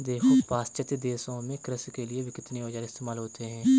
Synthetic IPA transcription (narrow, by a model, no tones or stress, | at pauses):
d̪eːkʰopaːst͡ʃət̪jd̪eːsõmẽkɾɪskelieʋɪkɪt̪neʋɐd͡ʒaɾɪst̪eːmaːlɦoːt̪eɦɛ̃ː